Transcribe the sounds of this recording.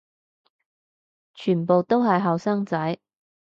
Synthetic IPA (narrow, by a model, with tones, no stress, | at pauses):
t͡ʃʰyː˨˩npo˨˧wt̪o˥wɦɐ˨jɦɐ˨wsaː˥ŋt͡sɐ˨˥j